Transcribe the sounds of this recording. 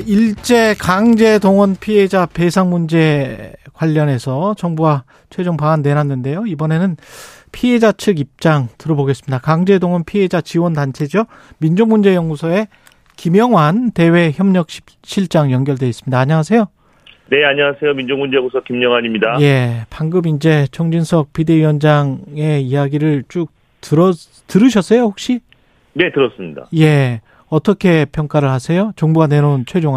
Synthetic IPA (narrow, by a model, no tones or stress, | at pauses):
iɭt͡ɕ͈e̞kaŋd͡ʑe̞doŋwʌnpʰied͡ʑape̞sʰaŋmund͡ʑe̞kwaʎːʌne̞sʰʌt͡ɕʌŋbuɡa | t͡ɕʰwe̞d͡ʑoŋpaanːe̞nanːɯnde̞joibʌne̞nɯnpʰie̞d͡ʑat͡ɕʰɯɡip̚t͡ɕ͈aŋtɯɾʌboɡe̞s͈ɯmɲidakaŋd͡ʑe̞doŋwʌnpʰie̞d͡ʑat͡ɕiwʌndant͡ɕʰe̞d͡ʑʌ | mind͡ʑoŋmund͡ʑe̞jʌŋɡusʰʌe̞ | kimjʌŋwante̞we̞çjʌmɲʌk̚ɕ͈ʰi̥p | ɕ͈ʰiɭt͡ɕ͈aŋjʌŋɡjʌɭdwe̞is͈ɯmɲidaːɲaŋasʰe̞jo | ne̞aɲaŋasʰe̞jomind͡ʑoŋmund͡ʑeɡusʰʌkimɲʌŋwaɲimɲidaje̞paŋɡɯbind͡ʑe̞t͡ɕʰʌŋd͡ʑinsʰʌk̚pide̞ijʌnd͡ʑaŋe̞ijaɡiɾɯɭt͡ɕ͈uk̚ | tɯɾʌ | tɯɾɯɕ̬ʰʌs͈ʌjohok̚ɕ͈i | ne̞tɯɾʌs͈ɯmɲida̰je̞ | ʌt͈ʌkʰe̞pʰjʌŋk͈aɾɯɭhasʰe̞jot͡ɕʌŋbuɡane̞ɾont͡ɕʰwe̞d͡ʑoŋa